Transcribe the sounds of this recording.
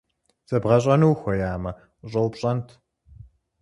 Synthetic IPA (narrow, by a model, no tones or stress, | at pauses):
z̥ɐbʁɐɕʼɐnuːxʷɔjaːmɐ | ɕʼɐwpɕʼɐntʰ